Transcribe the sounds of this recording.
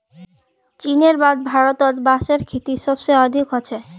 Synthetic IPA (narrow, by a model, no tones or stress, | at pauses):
t͡ɕineɾbad̪̚bʱaɾot̪ɔd̪baʃeɾkʰet̪iʃɔbʃeɔd̪ʱikɦɔt͡ɕʰe